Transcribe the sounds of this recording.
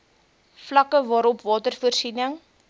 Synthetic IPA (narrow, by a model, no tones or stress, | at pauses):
flɐkəvɑːɾɔpvɑːtərfuərsinəŋ